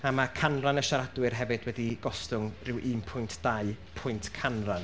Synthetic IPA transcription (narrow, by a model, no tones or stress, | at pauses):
amakʰanranəʃaɾadwɨrɦɛvɨd̥wɛdiɡ̥ɔstʊŋrɪwʔiːmpʰʊjntʰd̥aɨpʰʊjntʰkʰanran